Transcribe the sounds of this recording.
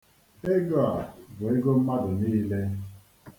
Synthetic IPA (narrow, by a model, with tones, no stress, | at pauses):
e˦ɡo˦a˨bo˨ɪ˦ɡo˦m̩˦ma˦dʊ˨niː˦le˦